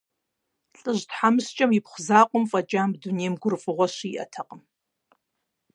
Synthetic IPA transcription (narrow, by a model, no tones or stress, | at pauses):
ɬʼɨʑtħamɨst͡ʃʼɐmɪpχʷʊzaːqʷʼʊmfʼɐt͡ʃʼaːmbduneːmɡʷʊrfʼɨʁʷɔʃiiːʔɐ̰tʰɐqʼəm